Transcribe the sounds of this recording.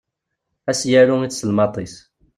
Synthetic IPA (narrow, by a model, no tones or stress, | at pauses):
æsjæɾuit͡ssəlmɑt̪ˤis